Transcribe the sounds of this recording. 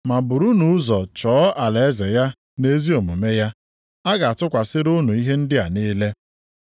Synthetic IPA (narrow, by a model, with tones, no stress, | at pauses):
ma˨bʊ˨ɾu˦nu˨˦zɔ˨t͡ʃɔː˨˦ʔa˨le˨e˦ze˨ja˦ | ne˦zi˦o˨mu˨me˦ja˦ | a˦ɡa˨a˨tʊ˦kʷa˨sɪ˦ɾʊ˦nu˨i˦ɦe˦n̩˦dɪ˦a˨niː˦le˦